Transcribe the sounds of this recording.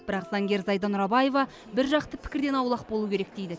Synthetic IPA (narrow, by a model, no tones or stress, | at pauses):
bɪɾɑqzɑŋɡʲe̞ɾzɑjd̪ɑnʊɾɑbɑje̞vɑ | bɪɾʒɑqt̪əpʰɪ̥kʲɪɾd̪e̞nɑwlˠɑq̚bolˠuwkʲʰe̞ɾe̞k̚d̪ejd̪ɪ